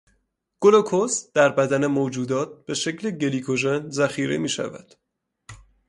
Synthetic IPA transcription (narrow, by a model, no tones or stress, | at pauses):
ɡ̥olokʰosd̪̥æɾbæd̪ænemoːd͡ʒuːd̪ɒːt̪̚b̥e̞ʃecleɟe̞liːkʰoʒenzæxiːɾemiːʃæ̰væ̰d̪̥